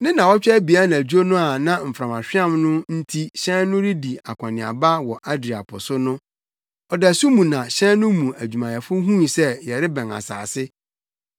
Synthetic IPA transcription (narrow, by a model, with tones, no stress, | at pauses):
nɪ̃˦nã˨wɔ˦t͡ɕᶣɛ˦bi˨a˦nã˨d͡ʑᶣu˦o˦nʊ̃˦a˨nã˦m̩˨fɾã˨ma˨ɕᶣɪ˦ã˦˨mnʊ̃˦n̩˦tʰi˦ɕɛ̃˦nʊ̃˦ɾi˦di˨a˨kʷʰã˨nɪ̃˨a̰˨ba˦wɔ˨ʔa˦dɾi˨a̰˨pʰʊ̰˨sʊ˦nʊ̃˦ | ɔ˨dæ˨su˦mũ˨nã˨ɕɛ̃˦nnʊ̃˦mũ˨æ˨d͡ʑᶣu˨mã˨jɛ˨fʊ˦ɦũ˦˨sɛ˦jɛ˨ɾɪ˦bɛ̃˨na̰˨sa̰ː˨sɪ˦